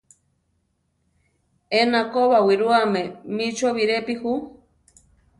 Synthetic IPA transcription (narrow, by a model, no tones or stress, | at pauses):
enakoβawiɾuamemit͡ʃoβiɾepihu